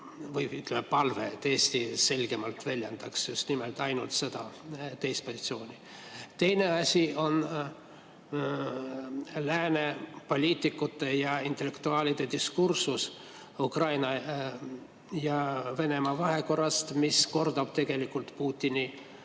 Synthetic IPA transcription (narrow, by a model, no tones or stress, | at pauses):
vɯjyt̪ːˑlemepɑlvet̪eːsʲt̪ise̞lʲɡ̥e̞mɑlt̪vælʲjend̪̥ɑksjust̪nimelt̪ɑjnult̪se̞d̪̥ɑt̪ejst̪̚posʲit̪sio̞ːnʲi | t̪e̞jne̞ɑsʲio̞n | læːne̞po̞lʲiːt̪ːˑikːˑut̪ːˑe̞jɑint̪ːˑe̞le̞kt̪uɑːlʲid̪̥e̞d̪iskursus | ukrɑjnɑ | jɑve̞ne̞mɑvɑɦe̞ko̞rːɑst̪misko̞rd̪ob̥̚t̪e̞ɡ̥e̞likːult̪puːt̪ʲːini